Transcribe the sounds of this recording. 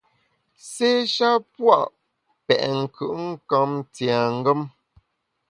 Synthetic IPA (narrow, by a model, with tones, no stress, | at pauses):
se˦ʃa˦pwa˦˨ʔ | pɛ̰˨ʔŋ̩˨kʰʉ̰˨ʔŋ̩˦kɔ̃˦mt͡sja˨ŋ̩˦ɡə˦m